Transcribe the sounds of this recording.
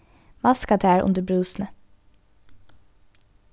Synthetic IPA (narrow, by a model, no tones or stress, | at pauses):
mɑskɑt̪ʰæːɹʔʊ̰nd̪əbɹʉːsn̩ə